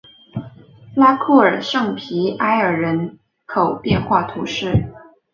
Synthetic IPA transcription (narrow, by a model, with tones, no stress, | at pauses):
la˥kʰu˥˩ə˞˨˩ʂɤ˥˩ŋpʰi˧˥a˥ɪə˞˨˩ɻə˧˥n | kʰo˨˩ʊpjɛ˥˧nxwa˥˩t̪ʰu˧˥ʂɻ̩˥˩